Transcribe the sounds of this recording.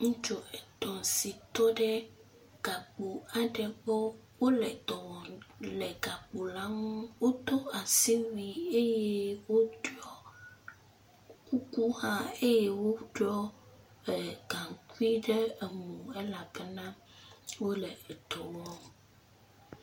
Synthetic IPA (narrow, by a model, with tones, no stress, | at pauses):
ŋũ˦t͡ʃo˨ɛ˨t̪ɔ˨si˨t̪ɔ˦ɖɛ˦ | ɡ̥a˨k͡po˨a˨ɖɛ˨ɡ͡be˦ | wo˦lɛ˨t̪ɔ˨wɔ˨lɛ˨ɡa˨k͡po˨la˦ŋũ˦wo˦t̪o˦a˨si˦mĩ˨e˦je˦wo˦ɖɔ˦ | ku˦ku˦hã˦e˦je˦wo˦ɖɔ˦ | ɛ˨ɡ̥ã˨ŋ˨ku˦i˦ɖe˦e˨mũ˨ɛ˦la˨bɛ˦nã˦ | wo˦lɛ˨ɛ˨t̪ɔ˨wɔ˦